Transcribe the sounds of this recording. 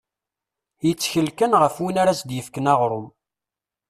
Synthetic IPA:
jət͡sːçəlkənʁəfwinaɾæsd̪jəfkənɑʁɾˤʊm

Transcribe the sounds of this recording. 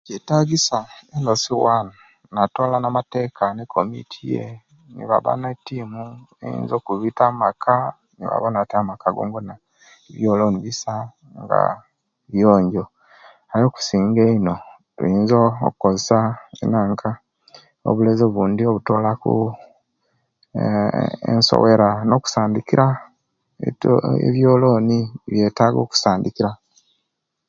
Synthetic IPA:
cetaɡisaelosiwan | natoːlanamateːkanekʰomḭtʰijḛ | nḭβa̰βa̰netimuḛḭːnzokuβitamakʰa | niβa̰βanateamakaɡo̰ːŋɡona | iβjoːloːniβisa | ŋɡa̰ | βjoːɲɟo | ajo̞ːku̥siːŋɡeino̞ | tṵiːnzo̰ːkukozisaḛnaːŋkʰa | o̰βulezoβuːndio̞βuto̞ːlakṵ | ḛnso̰we̞ɾano̞ku̥saːndikiɾa | ḛβjoːlo̞ːniβje̞ːtaɡo̞̰ːku̥saːndikiɾa

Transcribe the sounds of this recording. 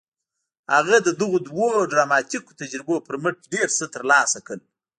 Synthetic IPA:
haɣad̪əd̪əɣod̪woɖɾamɑt̪iko̥t̪ad͡ʒɾɪbopəɾməʈ̚ɖeɾsət̪əɾlɑsakəl

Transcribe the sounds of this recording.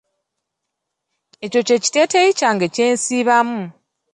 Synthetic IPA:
e̞co̞ce̞ci̥te̞teicaŋɡece̞ːnsiːβamu

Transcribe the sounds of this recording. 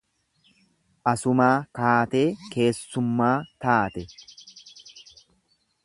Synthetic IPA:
ʔɐsʊmaːkaːt̪e̞ːke̞ːsːʊmːaːt̪aːt̪ɛ

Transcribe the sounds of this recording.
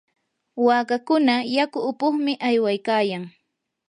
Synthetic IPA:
waːkakʊnajakʊːpʊχmɪʔajwajkaːjaŋ

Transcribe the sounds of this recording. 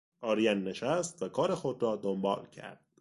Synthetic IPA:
ʔɒːɾijænːe̞ʃæst̪vækʰɒːɾe̞xod̪ɾɒːd̪ombɒ̰ːlcʰæ̰ɾd̪̥

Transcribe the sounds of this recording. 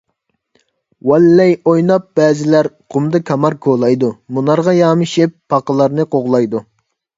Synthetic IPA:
wɛlːɛjojnɑp̚b̥ɛːzɪlæɾqʊmd̪ɨkʲʰɑmɑɾkʰolˠɑjd̪umunɑɾʁɑjɑːmɨʃɪpːɑqəlˠɑɾnɨqʰoʁlˠɑjd̪u

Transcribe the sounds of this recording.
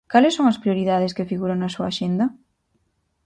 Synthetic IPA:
kalesːõŋɐspɾioɾiðaðeskefiɣuɾaŋnɐsuaːʃend̪ɐ

